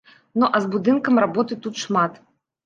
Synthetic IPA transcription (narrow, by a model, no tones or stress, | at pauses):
nuʔɐzbud̪ɨnkɐmrabɔt̪ɨt̪ut̪ʂmat̪